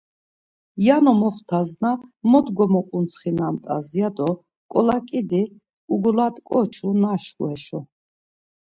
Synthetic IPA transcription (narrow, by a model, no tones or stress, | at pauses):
janɔmɔχt̪ʰaznamɔd̪ɡɔmɔqʼunsʰχinamt̪ʼa̰zjad̪ɔ | kʼɔlakʼid̪i | uɡlat̪ʼkʼɔt͡ʃʰunaʃχw̰ɛʃɔ